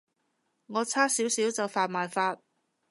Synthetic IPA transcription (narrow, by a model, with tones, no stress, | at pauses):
ŋɔː˨˧t͡sʰaː˥siː˨˥wsiː˨˥wt͡sɐ˨wfaː˨˧t̚maː˨jfaː˧t̚